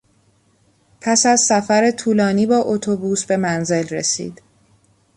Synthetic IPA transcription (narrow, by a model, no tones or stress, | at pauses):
pʰæsæzsæfæɾe̞t̪ʰuːlɒːniːbɒːʔot̪ʰobuːsbe̞mænze̞lresḭːd̪̥